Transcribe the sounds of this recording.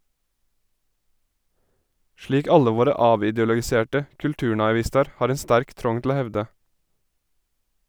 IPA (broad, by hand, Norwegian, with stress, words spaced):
ˈʃliːk ˈɑlə ˈʋoːɾə ˈɑːʋɪˌdɪɔlɔɡɪˌseːʈə kʉlˈtʉːɳɑɪˌʋɪstɑɾ ˈhɑːɾ ˈɛn ˈstæɾk ˈtɾɔŋ tl̩ ˈoː ˈhɛʋdə